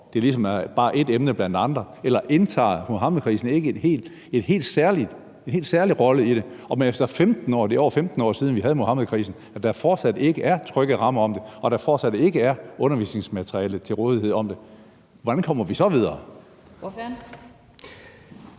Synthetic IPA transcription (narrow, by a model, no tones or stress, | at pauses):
d̥e̝ɐlisɒ̽mæɐb̥ɑ̈ːʔe̝d̥emnəb̥lænd̥ɑ̈nd̥ʁɐ | elɐʔe̝nt͡sʰɑ̰̈ːmo̝ɦɑ̈ːməðˠkʰʁḭːsn̩e̝ɡ̥əe̝d̥he̝̰ːld̥ | e̝d̥ɦe̝̰ːld̥sæɐlid̥ | e̝nhe̝̰ːld̥sæɐliʁɒ̽ləiɾ̥e̝ɒ̽menefd̥ɐfemd̥n̩ɒ̰ːd̥e̝ɒ̰ʊ̰ɐfemd̥n̩ɒ̰ːsiːð̞ˠn̩ʋiɦæð̞̩ˠmo̝hɑ̈məðˠkʰʁḭːsn̩ | æd̥ɑ̈fɒːd̥sæd̥e̝ɡ̥əʔæɐt͡sʰʁœɡ̥ð̩ˠʁɑ̈mɐɒ̽md̥e̝ɒ̽ɾ̥ɑ̈fɒːd̥sæd̥e̝ɡ̥əæɐɔ̽nɐʋḭːsne̝ŋsmæt͡sʰʁiɛ̰ːlð̩ˠt͡sʰe̝lʁɔːð̞ˠihe̝ð̰ˠɒ̽md̥e̝ | ʋɒd̥ænkʰɒ̽m̰ɐʋisɒ̽ʋið̞ˠɐː